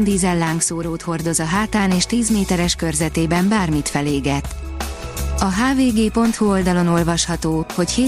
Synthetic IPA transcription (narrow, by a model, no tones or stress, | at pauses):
nd̪iːzɛlːaːŋksoːɾoːt̪ho̞rd̪o̞zɒɦaːt̪aːneːʃt̪iːzmeːt̪ɛɾɛʃkø̞rzɛt̪eːbɛmbaːrmit̪fɛleːɡɛt̪ | ɒɦaːveːɡeːpo̞nt̪huo̞ld̪ɒlo̞no̞lvɒʃhɒt̪oːho̞cheː